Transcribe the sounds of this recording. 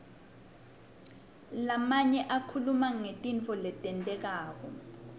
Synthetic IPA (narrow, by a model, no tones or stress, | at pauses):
lamaɲɛʔakʰulumaŋetʼint͡fʰɔlɛtʼɛntʼɛk̬aːk̬ɔ̰